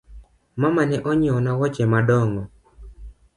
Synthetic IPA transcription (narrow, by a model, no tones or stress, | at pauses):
mamanɛʔɔɲɔnawɔt͡ʃɛmadɔŋɡɔ